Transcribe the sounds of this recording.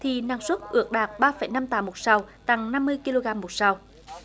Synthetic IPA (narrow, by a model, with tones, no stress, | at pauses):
t̪ʰi˨˩naː˨˩ŋswə˦˥t̚ʔɨ˧˩ək̚ɗaː˨˩k̚ɓaː˧fə˧˩jna˧mt̪aː˨˦mo˨˩t̚sa˧wt̪a˨˩ŋna˧mːɨ˧əjki˧lo˧ɣaː˧mːo˨˩t̚sa˧w